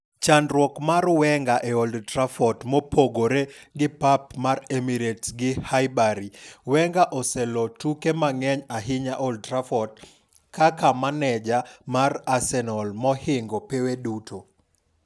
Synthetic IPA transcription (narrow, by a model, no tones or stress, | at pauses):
t͡ʃandɾwɔkmarwɛŋɡaʔɛɔldtrafɔtmɔpoɡoɾeɡɪpapmaremiɾetsɡɪhajbaɾiwɛŋɡaʔɔsɛlɔtukemaŋɛɲaɦɪɲaʔɔldtrafɔt̚ | kakamanɛd͡ʒamarasɛnɔlmɔhɪŋɡɔpewedutʰo